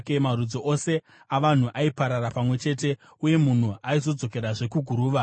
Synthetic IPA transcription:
kemarud͡zo̞ʔose̞ | aʋan̤uʔaipaɾaɾapamwe̞t͡ʃe̞ːt̬e̞ | uje̞mun̤uaizo̞d͡zo̞ke̞ɾaʐe̞kuɡʱuɾuːʋa

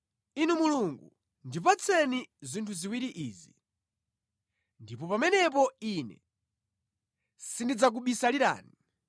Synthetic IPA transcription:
inumuluŋɡu | ndipat͡sʰɛnizintʰuziwiɾiʔiːzi | ndipɔpamɛnɛp̬ɔinɛ̰ | sindid͡zak̬uɓisaliɾa̰ːni

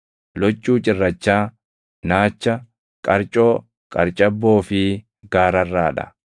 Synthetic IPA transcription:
lɔt͡ʃʼːuːt͡ʃʼɪrːɐt͡ʃːaː | naːt͡ʃːɐ | kʼɐɾt͡ʃʼoː | kʼɐɾt͡ʃʼɐbːo̞ːfɪ | ɡaːɾɐrːaːᶑɐ̰

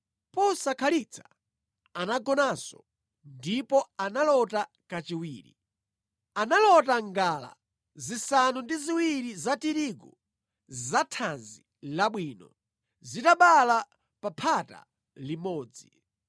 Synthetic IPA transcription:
pɔsakʰalit͡sʰḁ | anaɡɔnasɔ̰ | ndipɔanalɔta | kat͡ʃiwiːɾḭ | analɔtaŋɡala̰ | zisanundiziwiɾizatiɾiɡu | zatʰanzi | laɓwiːnɔ̰ | zitaɓala | papʰata̰ | limɔːd͡zi

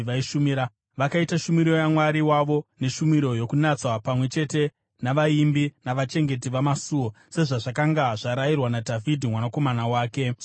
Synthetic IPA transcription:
ʋaiʃumiɾa | ʋakaitaʃumiɾo̞jamwaɾiwaʋo̞ne̞ʃumiɾo̞jo̞kunat͡swapamwe̞t͡ʃe̞te̞ | naʋaimbinaʋat͡ʃe̞ŋɡe̞t̬iʋamasuo̞ | se̞ʐaʐakaŋɡaʐaɾajirwanadʱavidʱimwanako̞manawaːke̞

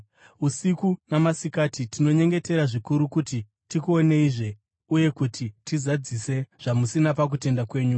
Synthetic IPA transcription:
usikunamasikaːtitino̞ɲe̞ŋɡe̞te̞ɾaʐikuɾukuti | tikuo̞ne̞iʐe̞ | uje̞kutʰitizad͡zise̞ʐ̥amusinapak̬ute̞ndakwe̞ːɲu

